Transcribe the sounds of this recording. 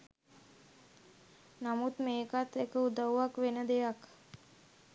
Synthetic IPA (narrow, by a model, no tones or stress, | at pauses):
namut̪meːkat̪ekəud̪əwʋakʋenəd̪ejak